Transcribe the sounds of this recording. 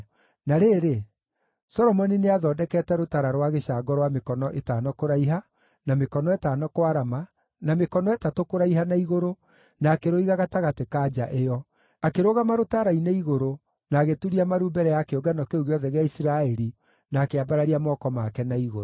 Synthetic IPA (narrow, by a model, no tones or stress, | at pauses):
naɾeːɾe | sɔɾɔmɔnineaðɔdɛkɛtɛɾotaɾaɾwaɣeʃaːɡɔɾwamekɔnɔʔetaːnɔkoɾaiɦa | namekɔnɔetaːnɔkoaɾama | namekɔnɔɛtatokoɾaiɦanaiɣoɾo | naːkeɾoiɣaɣataɣatekad͡ʒaʔejɔ | akeɾoɣamaɾotaɾaineiɣoɾo | naːɣetuɾiamaɾuːmbɛɾɛjakeoɡanɔkeuɣeɔðɛɣeaisiɾaɛɾi | naːkeabaɾaɾiamɔːkɔmakɛnaiɣoɾo